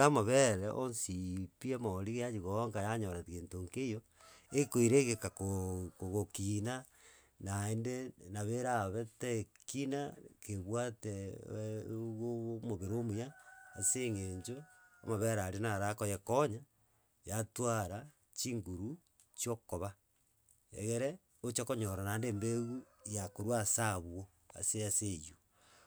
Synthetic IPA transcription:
amaβeɾeʔonsipiamoɾiɣejaɲiɣooŋɡajaɲoɾatɣeːntoŋkejo | ekoiɾeɣekakokoɣokina | naendenaβeɾaβetekinakeβwate | ɣomoβeɾomujaːseŋeɲd͡ʒoa̰maβeaɾaɾenaɾakojekoɲa | jatwaɾa | t͡ʃiŋɡuɾu | t͡ʃjokoβa | ḛɣeɾe | ot͡ʃekoɲoɾanandeːmbeɣujakoɾwasaβwo | a̰seaseju

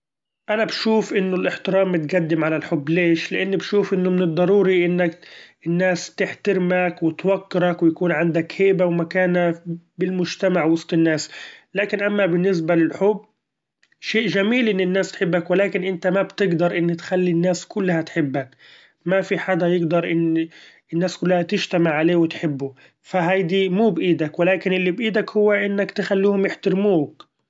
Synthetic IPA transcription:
ʔanabʃuːfʔɪnːʊlʔɪħt̪ɪɾɑːmːɪt̪ɡad̪ːɪmʕalalħʊbːleːʃlɪʔɪnːbʃuːfʔɪnːʊmɪnɨd̪ˤːɑɾˤuːɾiʔɪnːak̚ɪnːaːst̪ɪħt̪ɪɾmakwɪt̪wakːɪɾakwɪjakuːnʕand̪akhɪːbawɪmakaːnabɪlmʊd͡ʒt̪amaʕwɑsˤt̪ˤɪnːaːslaːkɪnʔamːabɪnːɪs̬balɪlħʊbː | ʃeːʔʒamiːlʔɪnːɪnːaːst̪ħɪbːakwɪlaːkɪnʔɪnt̪amabt̪ɪɡd̪ɑɾˤʔɪnːɪt̪xalːinːaːskʊlːhat̪ħɪbːak | mafiħad̪ajɪɡd̪ɑɾˤʔɪnː | ɪnːaːskʊlːhat̪ɪʒt̪amɪʕʕaleːwɪt̪ħɪbːʊ | faɦajd̪imuːbʔiːd̪akwɪlaːkɪnʔɪlːibʔiːd̪akhʊwːaʔɪnːakt̪ɪxalːuːhʊmjɪħt̪ɪɾmuːk

